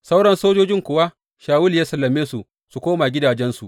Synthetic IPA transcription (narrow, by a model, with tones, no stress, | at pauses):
sa˦wɽɐ˦nsoː˦d͡ʒoː˦d͡ʒɪ˦ŋkʷʊ˨wa˦ | ʃaː˨wʊ˦ljaː˦sɐ˨lːɐ˨meː˦su˨ | su˨kʷoː˦ma˨ɡʲɪ˦daː˨d͡ʒɛ˦nsu˨ʔ